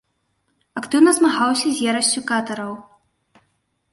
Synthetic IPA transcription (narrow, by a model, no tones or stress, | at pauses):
ɐkt̪ɨwnɐzmaɣawsʲɐzʲjɛɾɐsʲt͡sʲukat̪ɐɾɐw